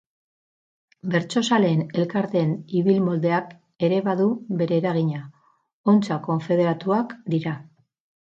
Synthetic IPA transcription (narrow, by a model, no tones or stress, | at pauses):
be̞ɾt͡ʃo̞sale̞ne̞lkaɾt̪e̞niβilmo̞ld̪e̞ak | e̞ɾe̞βaðuβe̞ɾe̞ːɾaɣ̞iɲa | o̞nt͡sako̞ɱfe̞ð̞e̞ɾat̪uakd̪iɾa